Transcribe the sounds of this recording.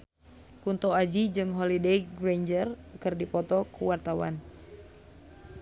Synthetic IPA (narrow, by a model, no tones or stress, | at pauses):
kunt̪ɔad͡ʒid͡ʒɨŋɦɔlidejɡɾeɲd͡ʒərkɨrdipɔt̪ɔkuwart̪awa̰n